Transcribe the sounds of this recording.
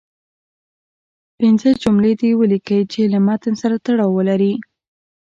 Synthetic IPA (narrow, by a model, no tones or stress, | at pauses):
pɪnzəd͡ʒumled̪ewəlikəit͡ʃelamat̪ənsaɾat̪aɽɑwːəlaɾi